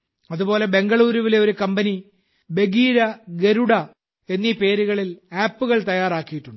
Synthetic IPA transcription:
ɐðubo̞ːle̞be̞ŋɡɐɭuːɾuʋile̞o̞ɾukɐmbɐni | be̞ɡiːɾɐɡe̞ɾuɽɐ | e̞nːipe̞ːɾuɣɐɭilaːpːuɣɐɭt̪ɐjaːraːkːijiʈːuɳɖɨ

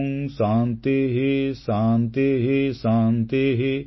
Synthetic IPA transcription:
ŋsãːnt̪eɦesaːnt̪eɦesaːnt̪eɦe

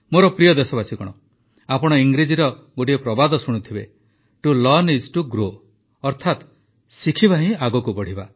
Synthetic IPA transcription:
moɾɔpɾijɔd̪esɔbasikɔɽ̃ɔ | apɔɽ̃ɔiŋɡɾid͡ʒiɾɔ | ɡoʈ̬iepɾɔbad̪ɔsuɽ̃ut̪ʰibe | ʈulɔnisʈuɡɾo | ɔɾt̪ʰat̪ | sikʰibaɦĩaɡɔkubɔɽ̤iba

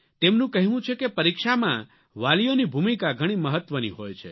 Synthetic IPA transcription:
t̪emnũkəɦiʋũt͡ʃʰekepəɾikʃamã | ʋalijonibʱumikaɡʱəɽ̃iməɦət̪ʋənḭɦojt͡ʃʰḛ

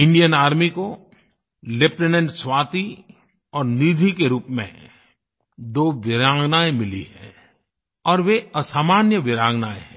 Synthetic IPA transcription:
ɪ̃ɳɖijənaːɾmiko | lepʈenə̃ɳʈswaːt̪i | ɔːɾniːd̪ʱikeɾuːpmḛ̃ | d̪oːʋɪɾaːɡnaːemɪlḭhɛ̰̃ː | ɔːɾʋeəsaːmaːnjəʋɪɾaːɡnaːeɦɛ̃

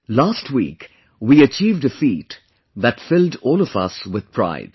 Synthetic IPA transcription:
laːstʰwḭːk | wiːət͡ʃiːvdəfiːt | ðɨtfɪldɔːlɔvʌ̰swɪð̥̚pʰɹ̥a̰ɪd̥

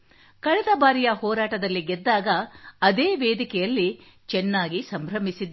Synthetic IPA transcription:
kɐɭɛd̪ɐbaːɾijɐhɔːɾaːʈɐd̪ɐlːiɡɛd̪ːaːɡɐːd̪eːʋeːd̪ikɛjɐlːi | t͡ʃɛnːaːɡisɐmbʱɾɐmisid̪

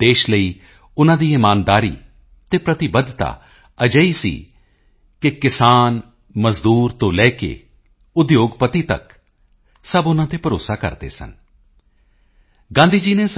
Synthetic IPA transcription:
d̪̥eːʃləiː | ʊnãːd̪iːɪmaːnd̪aːɾḭː | t̪eːpɾət̪ɪbəd̪t̪a̰ː | əd͡ʒəiːsḭː | kɪkɪsaːn | məzd̪uːɾt̪õːlɛːkḛː | ʊd̪joːɡpət̪iːt̪ə̰k | səbʊnãːt̪eːpəɾoːsaːkə̰ɾd̪ḛːsə̰n | ɡãːnd̪iːd͡ʒiːneːs

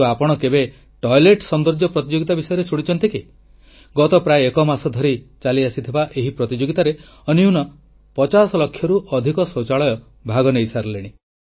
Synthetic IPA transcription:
apɔɽ̃ɔkebe | ʈɔjleʈsɔnd̪ɔɾd͡ʒjɔpɾɔt̪id͡ʒoɡit̪abisɔjɔɾesuɽ̃it͡ʃɔnt̪iki | ɡɔt̪ɔpɾaeːkɔmasɔd̪ʱɔɾit͡ʃaliasit̪ʰibaʔeɦipɾɔt̪id͡ʒoɡit̪aɾe | ɔnjunɔ | pɔt͡ʃasɔlɔkʰːjɔɾuʔɔd̪ʱikɔsot͡ʃaɭɔjɔ | bʱaɡɔnejsaɾleɽ̃i

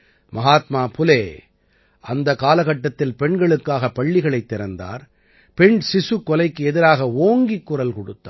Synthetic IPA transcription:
mɐɦaːt̪maːpʊleː | ʔɐnd̪ɐkaːlɐɣɐʈːɐt̪ːɪlpɛɳɡɐɭɯkːaːɣɐpɐɭːɪɣɐɭɐɪt̪ːɛɾɐnd̪a̰ːɾ | pɛɳsɪsɯkːɔlɐɪkːɯɛðɪɾaːɣɐoːŋɡikːʊrɐlkɔɽɯt̪ːa

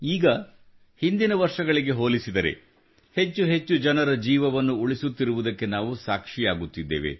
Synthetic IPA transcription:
iːɡɐ | hind̪inɐʋɐɾʂɐɡɐɭiɡe̞ɦoːlisid̪ɐɾḛ | he̞t͡ʃːuɦe̞t͡ʃːud͡ʒɐnɐɾɐd͡ʒiːʋɐʋɐnːuuɭisut̪ːiɾuʋud̪ɐkːe̞naːʋusaːkʂijaːɡut̪ːid̪ːḛːʋe̞̰

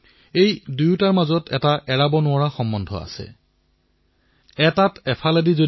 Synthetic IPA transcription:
ejdujtaɹmazɔtʰɛ̰taʔɛɹabɔnʊaɹaxɔmːɔndʱɔ̰a̰sɛ̰ | ɛtatɛpʰaladizo

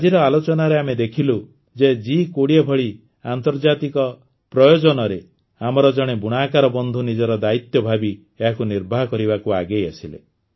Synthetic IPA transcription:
ad͡ʒiɾɔalot͡ʃɔnaɾeamed̪ekʰilu | d͡ʒed͡ʒikoɽiebʱɔɭi | ant̪ɔɾd͡ʒat̪ikɔ | pɾɔjod͡ʒɔnɔɾe | amɔɾɔd͡ʒɔɽ̃ebuɽ̃akaɾɔbɔnd̪ʱunid͡ʒɔɾɔd̪ait̪jɔbʱabi | eɦakuniɾbʱaɦɔkɔɾibakuaɡejasilḛ

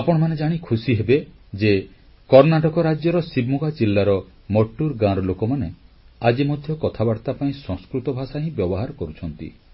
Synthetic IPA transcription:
apɔɽ̃ɔmaned͡ʒaɽ̃ikʰusiɦebe | d͡ʒe | kɔɾnaʈɔkɔɾad͡ʒjɔɾɔsibmuɡad͡ʒilːaɾɔ | mɔʈːuɾɡãɾɔlokɔmane | ad͡ʒimɔd̪ʱjɔkɔt̪ʰabaɽt̪apaĩsɔ̃ŋskɾut̪ɔbʱasaɦĩbjɔbɔɦaɾɔkɔɾut͡ʃʰɔnt̪ḭ

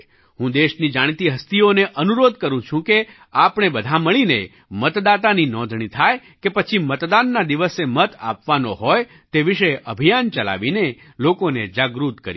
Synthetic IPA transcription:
ɦũd̪eʃnid͡ʒaɽ̃t̪iɦəst̪ioneʔənuɾod̪kəɾũt͡ʃʰũke | apɳ̃ebəd̪ʱaməɭine | mət̪d̪at̪aninɔ̃d̪ʱɳ̃it̪ʰaj | kepət͡ʃʰimət̪d̪anːad̪iʋəsemət̪a̰pʋanoɦɔj | t̪eʋiʃəjʔəbʱijant͡ʃəla̰ʋine | lokoned͡ʒaɡɾut̪kə̰ɾi

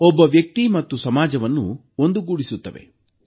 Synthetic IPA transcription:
ɔbːɐʋjɐk̚t̪imɐt̪ːusɐmaːd͡ʒɐʋɐnːṵ | o̞nd̪uɡuːɽisut̪ːɐʋḛ

